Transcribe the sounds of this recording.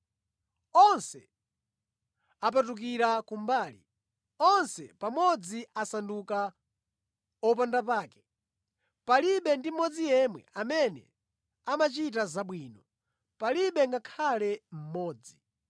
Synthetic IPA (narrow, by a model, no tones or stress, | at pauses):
ɔnsɛ̰ | ap̬atuk̬iɾakumbaːlḭ | ɔnsɛpamɔd͡ziʔasanduka | ɔpandap̬aːkɛ̥ | paliɓɛndim̩ɔd͡zijɛmwɛ̰amɛnɛ̰ | amat͡ʃit̬azaɓwiːnɔ | paliɓɛŋɡakʰalɛm̩mɔːd͡zi